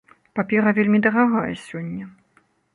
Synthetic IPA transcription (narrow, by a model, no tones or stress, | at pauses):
papʲɛɾɐvʲelʲmʲid̪ɐɣaɣajɛsʲɔnʲːɛ